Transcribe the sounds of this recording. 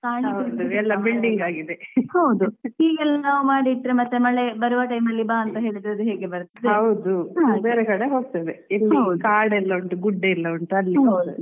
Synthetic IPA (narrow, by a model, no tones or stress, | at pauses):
kaːɳiɐd̪uɛlːɐbilɖiŋɡaːɡid̪ehɐwd̪uiːɡɐlːnaːʋumaːɽiːʈːɾemɐt̪ːemɐɭebɐɾuʋɐʈɐjmɐlːibaːɐnt̪ɐɦeːɭid̪ɾod̪uɦeːɡebɐɾt̪id̪eɐwd̪uãbeːɾekɐɽeɦo̞ːɡ̚t̪ɐd̪eɛlːiɐwd̪ukaːɽɛlːɐʋɐɳʈuɡuɖːeɛlːɐʋɐɳʈuɐlːiɐwd̪